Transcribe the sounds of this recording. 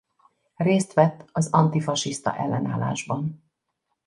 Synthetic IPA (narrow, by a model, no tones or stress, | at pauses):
reːst̪ʋɛt̪ːɒzɒnt̪ifɒʃist̪ɒ̰ʔɛlːɛna̰ːlːa̰ːʒbɒn